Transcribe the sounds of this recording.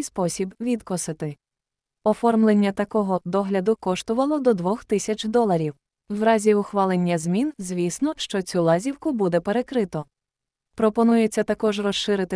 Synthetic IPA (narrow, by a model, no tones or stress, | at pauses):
spɔsʲibʋʲid̪kɔsɪt̪ɪ | ɔfɔrmlˠenʲːɐt̪ɐkɔɦɔd̪ɔɦlʲɐd̪ʊkɔʃt̪ʊʋɐlˠɔd̪ɔd̪ʋɔxt̪ɪsʲɐt͡ʃd̪ɔlˠɐɾʲiw | wɾɑzʲiʊxʋɑlˠenʲːɐzmʲinzʲʋʲisnɔʃt͡ʃɔt͡sʲulˠɑzʲiwkʊbud̪ɛpe̞ɾe̞kɾɪt̪ɔ | pɾɔpɔnujet͡sʲːɐt̪ɐkɔʒrɔʃːɪɾɪt̪ɪ